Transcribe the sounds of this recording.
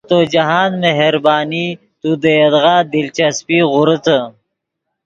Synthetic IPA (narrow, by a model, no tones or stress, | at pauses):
t̪od͡ʒɐɦaːnmeɦeɾbaːni | t̪ud̪əjɐd̪ɣaːd̪ilt͡ʃɐspiːɣʊɾət̪ə